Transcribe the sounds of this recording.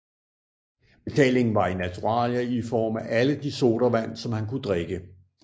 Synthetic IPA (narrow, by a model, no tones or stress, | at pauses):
b̥e̝t͡sʰɛ̰ːle̝ŋn̩ʋɑ̈inæt͡sʰuʁɑ̰̈ːlɐifɒ̰ːmæʔæləd̥iso̝̰ːɾ̥ɐʋæn̰sɒ̽mhænkud̥ʁeɡ̥ə